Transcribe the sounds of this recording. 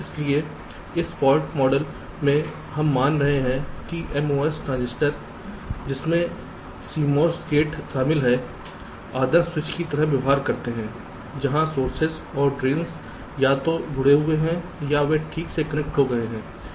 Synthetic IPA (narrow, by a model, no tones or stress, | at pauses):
ɪslie | ɪspɔːlʈmɔːɖəl | mẽ | ɦɐmːaːnɾɐɦeɦɛ̃kiʔɛmoːɛsʈɾãːnzɪsʈəɾ | d͡ʒɪsmẽ | siːmɔːɾsʈeːʈʃaːmɪlɦɛ | aːd̪əɾswɪt͡ʃkit̪ɐɾəɦʋɐʋɦaːɾkɐɾt̪eɦɛ̃ː | d͡ʒɐɦãsoːɾsɪz | ɔːɾɖɾiːns | jat̪od͡ʒʱʊɽeɦʊeɦɛ̃jaʋeʈʰiːksekɐnek̚ʈɦoɡɐeɦɛ̃ː